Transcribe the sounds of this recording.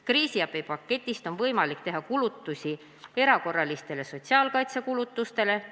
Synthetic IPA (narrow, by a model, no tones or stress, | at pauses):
kriːsiɑpipɑkːe̞t̪ʲːˑist̪o̞nvɤjmɑlikt̪e̞ɦɑkulut̪ːˑusʲi | e̞ɾɑko̞rːɑlist̪e̞le̞so̞t̪ʲsiɑːlkɑjt̪sekulut̪ːˑust̪e̞le̞